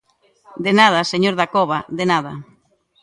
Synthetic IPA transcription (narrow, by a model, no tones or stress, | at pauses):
d̪enað̞aseɲoɾðakɔβaðenaða